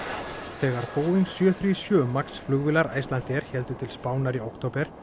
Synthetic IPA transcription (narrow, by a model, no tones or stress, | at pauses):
θɛːɣaɾpoːwviŋksjœθɾiːsjœːmaksflʏɣvɪlaɾaːjst̪lant̪ɛɾ̥çɛlt̪ʏt̪ʰɪlspaːwnaɾiowkt̪ʰowpɛɾ̥